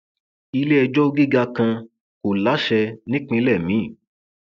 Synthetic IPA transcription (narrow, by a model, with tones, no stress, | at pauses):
i˧le˦ɛ˧d͡ʒɔ˦ɡi˦ɡa˧kã˧ | ko˨la˨˦ʃɛ˧nĩ˦k͡pĩ˧lɛ˦˨mĩ˨˦˨